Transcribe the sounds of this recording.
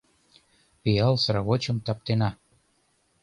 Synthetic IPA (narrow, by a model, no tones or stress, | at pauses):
piɑlsɾaɣot͡ɕə̆mt̪ɑp̚t̪enɑ